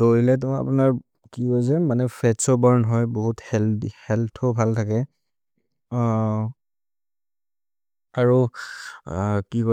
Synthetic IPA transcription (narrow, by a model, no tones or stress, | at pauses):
doilɛt̬ʊa̰punaɹ | kikɔs̬ɛmanɛpʰɛtsɔbaɹnɦɔjboɦuthɛlhɛltʰɔbʱaltʰakɛ | aɹu | kikɔ